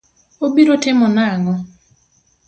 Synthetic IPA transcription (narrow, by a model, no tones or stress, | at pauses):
obiɾotɪmɔnaŋɔ